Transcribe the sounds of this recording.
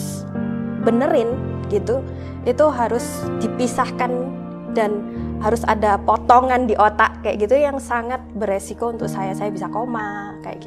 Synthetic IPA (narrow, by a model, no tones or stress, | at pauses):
bənəɾɪn | ɡit̪u | ʔit̪uɦaɾʊsd̥ipisahkan | danhaɾʊsa̰dapot̪ɔŋandiʔot̪aʔkaja̰ʔɡit̪ujaŋsaŋat̪̚bəresikount̪ʊk̚sajasajabisakomakaja̰